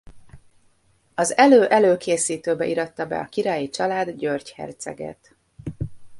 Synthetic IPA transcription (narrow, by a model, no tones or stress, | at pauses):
ɒzɛløːʔɛløːkeːsiːt̪øːbɛʔiɾɒt̪ːɒbɛ̰ɒkiɾɒjit͡ʃɒlaːd̪ɟørchɛ̰rt̪sɛ̰ɡɛ̰t̪